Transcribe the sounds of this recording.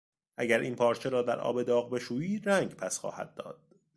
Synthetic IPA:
ʔæɟæɾʔiːnpʰɒːɾt͡ʃʰe̞ɾɒːd̪æɾʔɒ̰ːbe̞d̪ɒːɣbe̞ʃuːiːd̪ɾæːŋɡpʰæsxɒ̰ːhæ̰d̪̚ːɒ̰ːd̪̥̚

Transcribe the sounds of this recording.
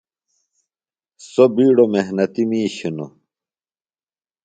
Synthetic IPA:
sobiːɽomeɦnɐt̪imiːɕunṵ

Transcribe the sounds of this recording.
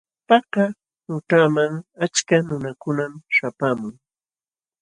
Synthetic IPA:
pɑqɑ | nʊt̪amaŋat͡ʃkanʊnakʊnamʃapaːmʊŋ

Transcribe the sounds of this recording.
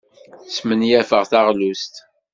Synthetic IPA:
smənjæfəʁθaʁlust̪

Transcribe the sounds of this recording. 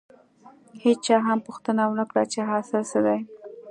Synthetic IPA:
het͡ʃt͡ʃɑɦampʊxt̪ənawənəkɽat͡ʃeɦɑsɪlʃəd̪aj

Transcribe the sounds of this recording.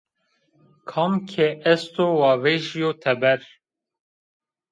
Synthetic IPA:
kʰɑmkʰeʔɛst̪oːwɑːveʒijot̪ʰɛbɛɾ

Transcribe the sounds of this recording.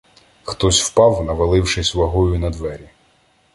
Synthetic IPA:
xt̪ɔsʲwpɑwnɐʋɐlˠɪwʃɪsʲʋɐɦɔjʊnɐd̪ʋɛɾʲi

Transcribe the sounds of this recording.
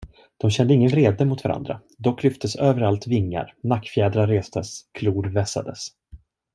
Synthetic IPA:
d̪̥ɔmɕɛnd̪əɪŋːənɾeːd̪əmʊt̪v̥aɾa̰nd̪ɾa̰ | d̪ɔkːlʏft̪ʰəsøːvəɾalt̪vɪŋːa̰ɾnakːfjɛːd̪ɾaɾeːst̪əskʰluːɖvɛsa̰d̪əs

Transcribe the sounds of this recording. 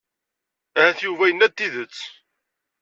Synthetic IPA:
æhæθjuvæjənːæt̪ːiðət͡sː

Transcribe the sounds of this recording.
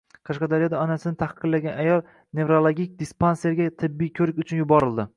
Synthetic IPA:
qʰɑʃqɑd̪aɾijɒd̪aɒnasɪnɪt̪ʰahqʰːɨd̪laɡʲanajɒlˠ | ne̞vɾolˠoɡʲik̚ʲd̪ispanseɾɡʲat̪ʰɪbːijkʲʰɵɾɪkʲʊt͡ʃʰʊnjʊbɒɾɪld̪ɪ

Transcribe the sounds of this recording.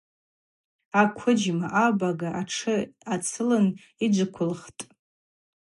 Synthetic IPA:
akʷʰʊd͡ʒmaʔabaɡaʔaʈ͡ʂʰɨat͡sʰɨlɨn | id͡ʒʷɨkʷʰʊlχtʼ

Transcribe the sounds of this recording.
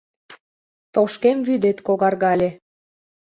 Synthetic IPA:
t̪oʃkemvyd̪et̪koɣɑrɣɑlʲe

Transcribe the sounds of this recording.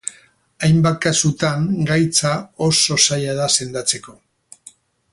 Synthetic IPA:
ajmbakasut̪aŋɡajt͡sao̞so̞sajaðase̞nd̪at͡se̞ko̞

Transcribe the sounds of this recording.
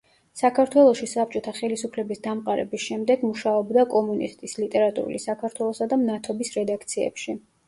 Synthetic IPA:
sakʰaɾt̪ʰwɛlˠɔʃisap̚t͡ʃʼɔt̪ʰaχɛlisupʰlɛbisd̪amqʼaɾɛ̰bisʃɛmd̪ɛɡmuʃaɔbd̪akʼɔmunḭst̪ʼislit̪ʼɛɾat̪ʼṵɾṵlisakʰaɾt̪ʰwɛlˠɔsad̪amnat̪ʰɔbisɾɛd̪akʰt̪sʰiɛ̰pʃi

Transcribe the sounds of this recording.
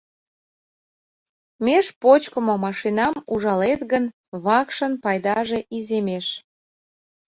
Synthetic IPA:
meʃpot͡ɕkəmomɑʃinɑmuʒɑlet̪ɣən | βɑkʃənpɑjd̪ɑʒeʔizemeʃ

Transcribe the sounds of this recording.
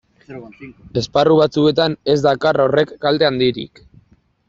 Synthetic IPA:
e̞sparuβ̞at͡sue̞t̪ane̞zd̪akarore̞kːald̪e̞and̪iɾḭk

